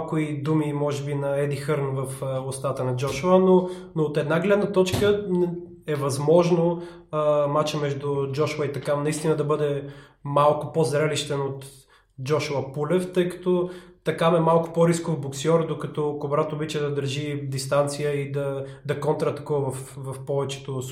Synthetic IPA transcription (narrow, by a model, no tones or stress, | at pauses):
kʊid̪umimɔʒɛbinɐɛd̪ixəɾnvɐfəʊst̪at̪ənɐd͡ʒɔʃʊanonoːt̪ɛd̪naɡlɛd̪nət̪ɔt͡ʃkən | ɛvɐzmɔʒno | əmat͡ʃəmɛʒd̪ʊd͡ʒɔʃʊəit̪ɐkanɐist̪inəd̪ɐbɤd̪ɛ | malˠkʊpozɾɛliʃt̪ɛnot̪ | d͡ʒɔʃʊəpulɛft̪əjkɐ̥t̪ɔt̪ɐkamɛmalˠkʊ̥pɔɾiskovboksiɔɾd̪okɐt̪ɔkobɾat̪obit͡ʃɛd̪ɐd̪əɾʒid̪ist̪ant̪sijəid̪ɐd̪ɐkɔnt̪ɾət̪ɐ̥kuəvɐfvɐfpɔvɛt͡ʃɛ̥t̪os